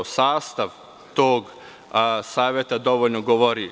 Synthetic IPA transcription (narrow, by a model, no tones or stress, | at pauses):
saːst̪aʋ | t̪oːɡ | saːʋjet̪ad̪o̞ʋoʎnoɡoʋoɾi